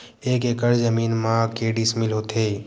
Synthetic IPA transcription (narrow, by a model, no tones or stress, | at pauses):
eːkekəɾzəmiːnmãːkeɖɪsmɪlɦoːt̪e